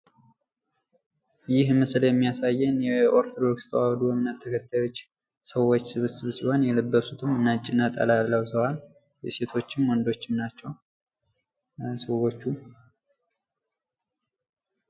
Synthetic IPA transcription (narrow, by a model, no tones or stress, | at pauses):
jɪhmɨsɨljɛmːijasajːɛnjɛʔo̞ɾt̪ʰo̞d̪o̞kst̪ʰəwawd̪ujɛmɨnːət̪̚ʰːəkʰət̪ʰːajo̞t͡ʃː | səwo̞t͡ʃːsɨβɨt̪sɨβɨsbhonjɛləbːəsut̪ʰɨmːɨnːat͡ʃʼːɪnət̪ʼa̰lalːəwsəwal | jɛse̞t̪ʰo̞t͡ʃːɪmwɔnd̪o̞t͡ʃːɪmnat͡ʃːɛw | sɨwot͡ʃːu